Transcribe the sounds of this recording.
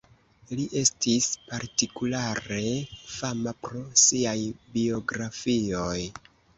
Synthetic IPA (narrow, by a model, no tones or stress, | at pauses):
liʔe̞stispaɾtikulaɾe̞famapɾo̞siajbio̞ɡɾafio̞j